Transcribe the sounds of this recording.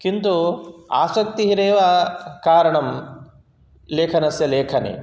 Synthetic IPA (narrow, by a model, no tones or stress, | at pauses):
kint̪ua̰ːsɐk̚t̪iɦiɾeːʋakaːɾɐɳɐm | leːkʰɐnɐsjɐleːkʰɐnḛː